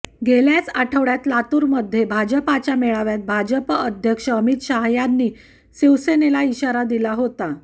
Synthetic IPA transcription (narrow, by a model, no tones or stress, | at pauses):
ɡeljat͡saʈʰəʋɽjat̪lat̪uːɾməd̪ʱːjebʱad͡ʑəpat͡ɕjameɭaʋjat̪̚bʱad͡ʑəpəd̪ʱjəkʂəəmit̪ɕaɦjanːiː | siʋsenelaiɕaɾad̪ilaɦot̪a